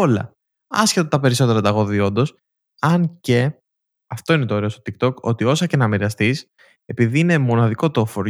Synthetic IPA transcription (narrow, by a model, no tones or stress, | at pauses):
olɐ̰ | ɐ̰sçet̪ot̪ɐpe̞ɾiso̞t̪eɾɐt̪ɐɣo̞ðio̞nd̪o̞s | ɐnce̞ | ɐft̪o̞ine̞t̪o̞ːɾe̞st̪ot̪ik̚t̪o̞ko̞̰t̪io̞sɐce̞nɐmiɾiɐst̪is | e̞piðiine̞mo̞nɐðiko̞t̪o̞foɾ